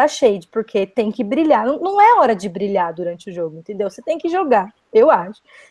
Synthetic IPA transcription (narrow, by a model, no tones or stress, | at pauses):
aʃejd͡ʒɪpʊɾkʰet̪ẽj̃kɪbɾiʎaɾnɐ̃w̃nɐ̃w̃ɛɔɾɐd͡ʒɪbɾiʎaɾd̪uɾɐ̃nt͡ʃɪʊʒoɡʊẽnt̪ẽnd̪ewset̪ẽj̃kɪʒoɡa | ewaʃʊ̥